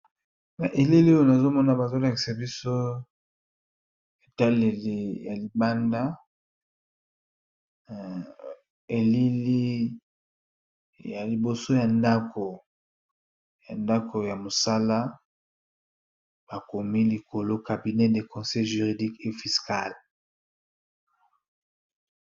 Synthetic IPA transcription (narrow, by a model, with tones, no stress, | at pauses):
na˨ʔe˨li˦li˦o˦o˦na˨zo˦mɔ˦na˨ba˨zo˦la˨ki̥˨sa˨bi˦so˦ | e˨ta˦le˨le˨ja˨li˨ba˦nda˦ | e˨li˦li˦ | ja˨li˨bo˨so˦ja˨nda˦kʰo˨ | ja˨nda˦ko˨ja˨mo˨sa˦la˦ | b̥a˨ko˨mi˦li˨ko˨lo˦ka˨bi˨nɛ˦de˨kɔ̃˨sɛ˦jʒy˨ʁi˨di˦ke˦fi˨ska̰˦˨l